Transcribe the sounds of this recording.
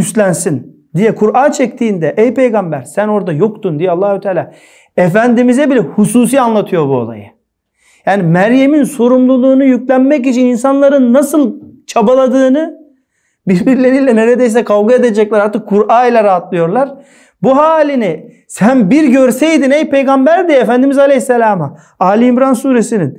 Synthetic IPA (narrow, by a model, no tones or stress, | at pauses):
yst̪lʲænsin | d̪ijɛkʰuɾʔaːnt͡ʃʰɛct̪ʰiːnd̪ɛʔejpe̞jɡambæɾsæno̞ɾd̪ajo̞kt̪und̪ijɛalˠːaːhut̪ʰaːlʲaː | efænd̪imizɛbilʲɛhusuːs̬iːanlˠat̪ʰɯjo̞ɾbuo̰lˠa̰jɯ | jaːnimæɾjeminso̞ɾumlˠulˠuːnujyclʲænmɛc̬it͡ʃʰininsanlˠaɾɯnːasɯlˠt͡ʃʰabalˠad̪ɯːnɯ | biɾbiɾlʲe̞ɾiːlʲɛneɾed̪ejs̬ɛkʰalɡaed̪ed͡ʒɛclʲæɾaɾt̪ɯkʰːuɾaːilʲɛɾaːat̪lˠɯjo̞ɾlˠaɾ̥ | buɦaːlʲini | sænbiɾɟø̞ɾsejd̪inejpʰe̞jɡambæɾd̪iefænd̪imizalʲehsːelʲaːma | aːlʲiːmɾansuːɾesinin